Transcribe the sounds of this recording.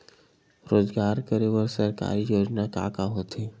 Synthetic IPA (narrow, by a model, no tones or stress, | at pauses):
ɾoːzɡaːɾkəɾeʋəɾsɐɾka̰ːɾijoːd͡ʒnaka̰ːkaɦoːt̪ʰeː